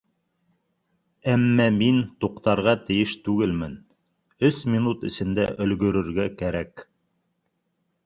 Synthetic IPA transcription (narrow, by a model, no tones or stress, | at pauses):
æmːæmint̪uqt̪ɑɾʁɑt̪ɘ̆jɘʃt̪ʉɡɘlmɘn | ɵsmʲinut̪ɘ̆sɘ̆nd̪æʔɵ̆lɡɵ̆ɾɵ̆ɾɡækæɾæk